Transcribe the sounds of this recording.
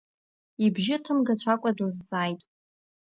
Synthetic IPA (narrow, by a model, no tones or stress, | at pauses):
ibʒɪtʰɨmɡat͡ɕʷʰakʷʼadɨlzd͡zʼaːjtʼ